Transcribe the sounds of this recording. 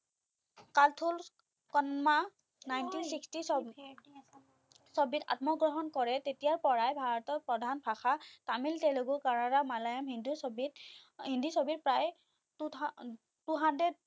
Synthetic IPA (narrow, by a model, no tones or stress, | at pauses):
kaltʰul | kɔnma | najntinsikstis | sɔbita̰tmɔɡɹɔɦɔnkɔɹɛtetijaɹpɔɹajbʱaɹɔtɔɹpɹɔdʱanpʰaxatamiltɛloɡukaɹaɹamalajamɦindusɔbitɦindisobit̚pɹaj | duɦandɛd̚